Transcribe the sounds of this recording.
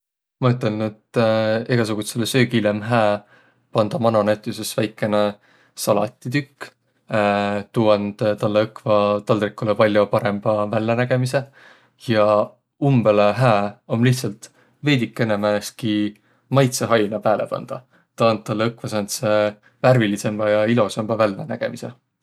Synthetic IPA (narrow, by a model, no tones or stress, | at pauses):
mɑyt̪ːˑelnet̪eɡ̥ɑsuɡ̥ut̪selsøːɡilemɦæː | pɑnd̪̥ɑmɑnonæt̪ˑjusesvæjkːˑe̞ne | sɑlɑt̪ʲˑːit̪ykː | t̪uːɑnd̪̥t̪ɑlːeɤkvɑt̪ɑld̪rikːˑulepɑlʲːjopɑɾe̞mb̥ɑvælːenæɡ̥e̞mise̞ | jɑ | umbeleɦæːo̞mliht̪sɑlt̪ | ve̞ːd̪ikːˑe̞nemæeski | mɑjt̪seɦɑjnɑpæːlepɑ̰nd̪̥ɑ | t̪ɑɑnd̪̚t̪ːɑlːeɤkvɑsɑnt̪se | værvilise̞mb̥ɑjɑilo̞semb̥ɑvælːenæ̰ɡ̥e̞̰mise̞̰